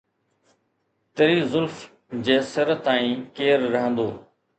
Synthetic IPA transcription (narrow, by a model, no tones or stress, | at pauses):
t̪əɾiːzʊlf | d͡ʑeːsəɾt̪aːĩːkeːɾːəɦə̃nd̪oː